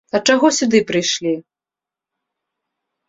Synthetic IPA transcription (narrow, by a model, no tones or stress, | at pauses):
ɐt͡ʂaɣɔsʲud̪ɨpɾɨjʂlʲi